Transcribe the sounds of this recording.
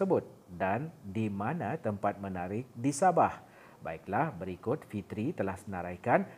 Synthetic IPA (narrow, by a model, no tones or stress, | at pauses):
əbʊt̪̚ | dandimãnãt̪əmpat̪̚mənaɾɪk̚disabah | ba̰iklahbəɾikʊt̪̚fit̪ɾit̪əlahsənaɾajkan